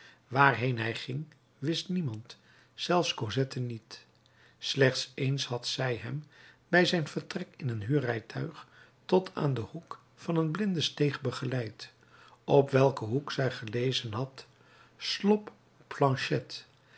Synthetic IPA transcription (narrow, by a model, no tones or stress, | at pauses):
ʋaːɹɦejnɦɛjχɪŋ | ʋɪstnimɑnt | z̥ɛlˠfskozɛtʰənit | slɛχtsejnsɦɑtsɛjɦɛm | bɛjzɛjnvəɹtrɛkɪnənɦyːrɛjtʰœɥχ | tɔtʰa̰ːndəhuk | fɑnənblɪndəstejχbəχəlɛjt | ɔpʋɛlˠkəɦuksɛjχəlejzənɦɑt | slɔp | plɑ̃nʃɛt